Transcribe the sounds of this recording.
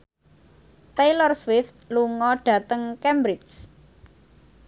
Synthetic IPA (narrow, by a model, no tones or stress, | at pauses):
t̪ejlərswɪft̪̚luŋɔɖ̥ä̤t̪əŋkembɾɪt͡ʃ